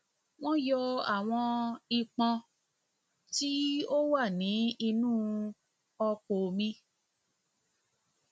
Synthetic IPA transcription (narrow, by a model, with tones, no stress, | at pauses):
w̃ɔ̃˦jɔ˧a̰˨w̃ɔ̃˧i˧k͡pã˧ | ti˦o˦wa˦˨nĩ˨˦i˧nũː˦ | ɔ˧k͡po˨mĩ˧